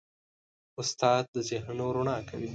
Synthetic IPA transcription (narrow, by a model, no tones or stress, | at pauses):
ʊst̪ɑːd̪̚d̪əzɪɦnoɾʊɳɑːkʰa̰wi